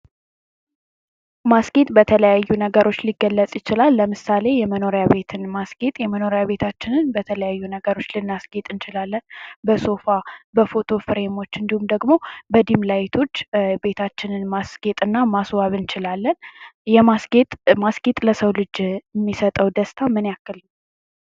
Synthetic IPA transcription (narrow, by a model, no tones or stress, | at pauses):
masɡe̞t̪ʼbət̪ʰələjajːunəɡəɾo̞t͡ʃːliɡːəlːət͡sʼjɪt͡ʃɪlalːəmɨsale̞jɛməno̞ɾjaβe̞t̪ʰɨnmasɡ̥e̞t̪ʼjɛməno̞ɾjaβe̞t̪ʰat͡ʃːɪnɨnbət̪ʰələjajːunəɡəɾo̞t͡ʃːlɨnːasɡ̥e̞t̪ʼɨnt͡ʃɪlalːənbəso̞fabəfo̞t̪ʰo̞fɨɾe̞mo̞t͡ʃːɨnd̪ihumd̪əɡmo̞bəd̪imlajt̪ʰo̞t͡ʃːbe̞t̪ʰat͡ʃːɪnɨnmasɡ̥e̞t̪ʼɨnːamaswaβɨnt͡ʃɪlalːənjɛmasɡe̞t̪ʼmasɡ̥e̞t̪ʼləsəwlɨd͡ʒɛmːisət̪ʼəwd̪əst̪ʰamɨnjakːɨlnə